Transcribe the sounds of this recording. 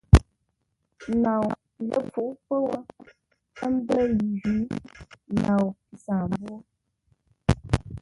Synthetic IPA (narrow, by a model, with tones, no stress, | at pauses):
na˨w | lə̰˨p͡fu˨ʔpə˦wə˦ | ə˦m̩˦bə˦ji˨d͡ʒi˦na˨wpi˨saː˨m˨bwo˦